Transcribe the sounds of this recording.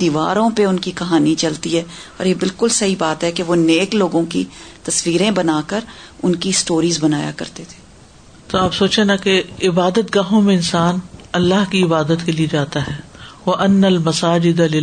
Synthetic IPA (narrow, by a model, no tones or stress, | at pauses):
d̪̥iːʋa̰ːɾõpeʊnkikɐɦaːnit͡ʃɐlt̪iɦɛːɔːɾjebɪlkʊlsɐɦibaːt̪ɦɛkeʋoneːkloːɡõkḭt̪ɐsʋiːɾẽbɐnaːkəɾʊnkisʈoːɾiːzbɐnaːja̰kɐ̰ɾt̪et̪ʰe̥ː | t̪oaːpsoːt͡ʃenakeɪbaːd̪ət̪ɡaːɦõmẽɪnsaːnɐlːaɦkiɪbaːd̪ət̪kelied͡ʒaːt̪aɦɛːʋɐʔɐnːɐlmɐsaːd͡ʒɪd̪alɪ